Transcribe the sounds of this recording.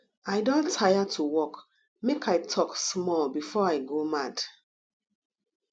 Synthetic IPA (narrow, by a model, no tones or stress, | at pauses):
ajdõntʰajatʰuwɔk | mekʰaɪtʰɔksmɔlbifɔajɡomad̥